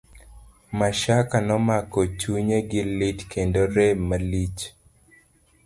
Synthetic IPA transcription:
maʃakanɔmakɔt͡ʃuɲeɡɪlɪtkʰendoɾemalit͡ʃ

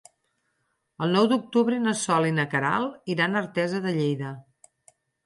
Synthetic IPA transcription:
əlˠnɔwd̪uk̚t̪uβɾənəsɔlinəkəɾa̰lˠiɾanəɾt̪ɛzəðəʎejðə

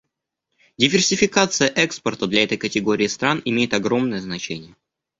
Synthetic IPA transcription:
dʲɪvʲɪrsʲɪfʲɪkat̪sɨjəʔɛkspərt̪əd̪lʲɐɛt̪əjkətʲɪɡo̞ɾʲɪːst̪ɾanɪmʲejɪt̪ɐɡɾo̞mnəjəznɐt͡ɕenʲɪjə

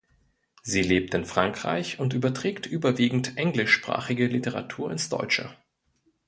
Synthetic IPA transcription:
ziːleːp̚tɪnfʁ̥aŋkʁ̥a̰ɪçʊntʔyːbɐtʁ̥ɛːktʔyːbɐviːɡŋ̩tʔɛŋlɪʃpʁ̥a̰ːχɪɡəlɪtəʁa̰tʰuːɐɪnsd̥ɔ̰ʏt͡ʃə̰

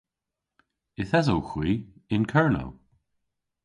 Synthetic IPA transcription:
ɪθɛzowxwiːɪnkʰɛɹno̰w

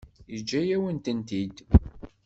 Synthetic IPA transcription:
jəd͡ʒːæjæwənt̪ənt̪id̪

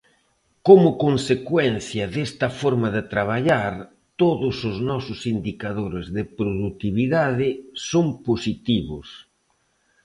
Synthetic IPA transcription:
komʊkonsekwɛnθjɐðest̪ɐfoɾmɐðɪt̪ɾaβ̞aʎaɾ | t̪oðʊsʊznɔsʊsind̪ikaðoɾɪzðɪpɾoðut̪iβiðaðɪsoŋposit̪iβʊ̰s

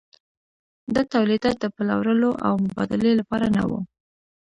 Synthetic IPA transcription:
d̪ɑt̪awlid̪ɑt̪̚d̪əpəla̰wɾəloʔa̰wmʊbɑ̰d̪ɪlelapɑɾana̰wṵ

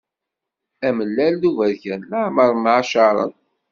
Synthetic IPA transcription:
æməlːælːuvæðçænləʕməɾˤmʕaʃɑɾˤə̰n

